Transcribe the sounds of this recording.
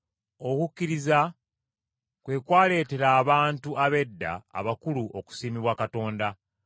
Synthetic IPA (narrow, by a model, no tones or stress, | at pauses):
o̞kukʲːiɾiza | kwe̞ːkwaːle̞ːte̞ɾaːβaːntuaβe̞dːa̰ːβakuluʔoku̥siːmiβwakato̞ːnda